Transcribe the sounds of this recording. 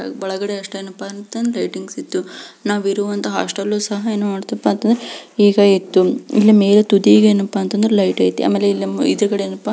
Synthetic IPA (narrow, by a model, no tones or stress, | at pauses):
bɐɭɐɡɐɽeɐʂʈɐenːɐpːant̪ːɐnd̪lɐjʈiŋɡsit̪ːunaːʋiɾuʋɐnt̪ɐɦɐɐ̰ʂʈɐlːuːsɐɦɐeːnːumaːɽt̪ɐpːaːnt̪ɐnd̪ɾeiːɡɐit̪ːuilːime̞ːɾet̪ud̪iɡɐeːnːɐpːaːnt̪ɐnd̪ɐɾelɐjʈɐːjit̪ːiʔa̰ːmeːlːeilːɐḭd̪ɐɾukɐɽeeːnːɐpːa